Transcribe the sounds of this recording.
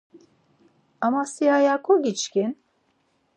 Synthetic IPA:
amasiajakʰoɟʲit͡ʃkʲin

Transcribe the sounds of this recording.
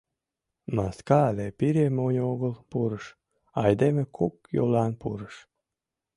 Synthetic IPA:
maskɑːlʲepiɾʲemunʲoɡəlˠpuɾəʃ | ɑjd̪emʲekʰukjṵlˠɑːnpṵɾəʃ

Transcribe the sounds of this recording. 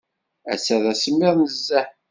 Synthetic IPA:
æ̰sæðæsəmːɪðˤnəzːæħ

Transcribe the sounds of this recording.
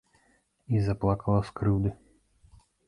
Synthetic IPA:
izaplˠakalˠaskɾɨwd̪ɛ

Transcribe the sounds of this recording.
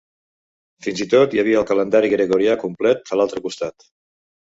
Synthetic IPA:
finzit̪ot̪jəβiəːlˠkələnd̪aɾiɣɾəɣuɾiakumplɛt̪̚əlalˠt̪ɾəkust̪at̪

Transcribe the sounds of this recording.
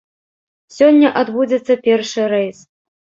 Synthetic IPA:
sʲɔnʲːɐʔad̪bud͡zʲɛt̪sːɐpʲɛrʂɨɾɛjs

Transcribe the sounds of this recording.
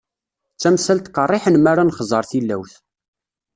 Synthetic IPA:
t͡sːæmsælt̪kərˤːɪħənmaɾˤanχzˤəɾˤθilːæ̰wθ

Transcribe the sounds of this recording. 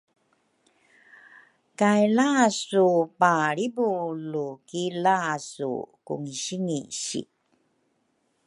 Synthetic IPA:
kajlaːsupaɭibulukilaːsṵkṵŋiɕiŋiɕḭ

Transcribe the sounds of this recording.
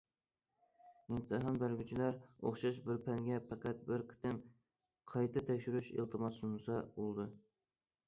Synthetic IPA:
ɪmt̪ʰɨɦɑnbæɾɡʲyt͡ʃʰilæɾo̰χʃɑʃbɪɾpʰɛŋɡʲɛpʰæqæt̪̚bɪɾqʰə̥t̪ʰɪm | qʰɑjt̪ʰɨt̪ʰɛkʲʃyɾyʃḛlˠt̪ʰɨmɑsunɨsɑbolˠd̪ɨ

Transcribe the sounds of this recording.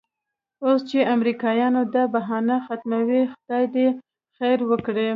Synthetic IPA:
ost͡ʃeamɾikɑjɑnod̪abaɦɑnaxat̪mawixd̪̥ɑjd̪e | xajɾwəkɽe

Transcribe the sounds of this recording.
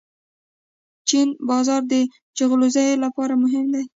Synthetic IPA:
t͡ʃinbɑzɑɾd̪ə | d͡ʒaɣlozajlapɑɾamʊɦɪmd̪aj

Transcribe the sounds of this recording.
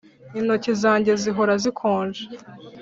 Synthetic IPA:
ino̞cizaːɲɟe̞ziɦo̞ɾazikʰoːʒe̥

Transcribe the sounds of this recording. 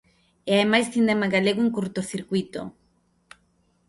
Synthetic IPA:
eaemajst̪ind̪emaɣaleɣoeŋkuɾt̪oθiɾkwit̪o̰

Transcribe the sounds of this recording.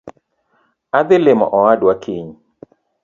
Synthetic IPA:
ad̪ɪlɪmɔ̰ʔɔwadwakʰiɲ

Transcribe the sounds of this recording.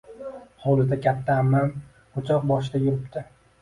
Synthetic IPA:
hɒlˠɪd̪akʲʰat̪ʰːaːmːam | ʊt͡ʃʰɒq̚bɒʃɪd̪ajʊɾɪpt̪ʰɪ

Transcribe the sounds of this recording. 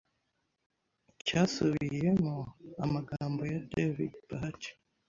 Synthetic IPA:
casuβijemoamaɡaːmbo̞jadevḭd̚pahat͡ʃ

